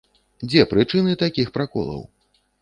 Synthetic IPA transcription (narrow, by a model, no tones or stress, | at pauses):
d͡zʲɛpɾɨt͡ʂɨnɨt̪akʲixpɾakɔ̰lˠɐ̰w